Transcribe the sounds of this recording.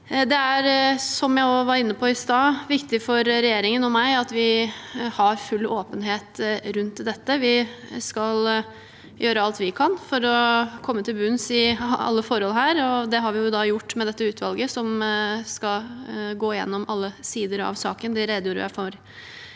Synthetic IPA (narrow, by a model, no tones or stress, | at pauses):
d̪ɛæɾsɔmjæɪoʋɑɾɪnːəpʰɔɪst̪ɑːʋɪkt̪ɪfɔɾɾɛjeːɾɪŋənɔmæɪɑt̪ʋɪhɑɾfʉlːoːpənɦeːt̪ɾʉnt̪d̪ɛt̪ːəʋɪskɑl | jøːɾəɑlt̪ʋɪkʰɑnfɔɾɔkʰɔmːət̪ʰɪlbʉnsɪɑ̰lːəfɔɾhɔlɦæːɾɔd̪ɛɦɑɾʋɪjʊd̪ɑjʊʈːmɛd̪ɛt̪ːəʉːt̪ʰʋɑlɡəsɔmskɑɡoːɪjɛ̰nːɔmɑlːəsiːd̪əɾɑ̰ʋsɑ̰ːkənd̪ɪɾɛd̪juːɾə̰jæ̰ɪfoɾ